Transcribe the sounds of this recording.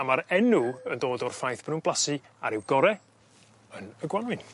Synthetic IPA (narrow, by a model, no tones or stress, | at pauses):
amaɾɛnʊəndoːdɔrfajθb̥rɨnb̥lˠasɨ | a̰ɾɪwɡɔɾɛ | ənəɡwanɨn